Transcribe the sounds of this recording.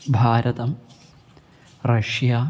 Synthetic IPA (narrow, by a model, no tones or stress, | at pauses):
bʱaːɾɐt̪ɐm | rɐʂjaː